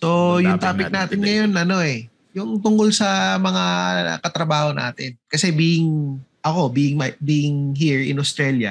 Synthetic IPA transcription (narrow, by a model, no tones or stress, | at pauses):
so̞j̪ʊŋt̪aːpɪnaːt̪ɪnŋɐjo̞nɐno̞ʔɛ | jʊŋt̪ʊŋkolsɐmɐŋa̰kɐt̪ɾɐbaːho̞na̰ːt̪ɪnkɐsɛbiːɪŋʔɐko̞biːʔɪŋmbiːʔɪŋɦiɹɪ̰nost̪ɾɛːljɐ̰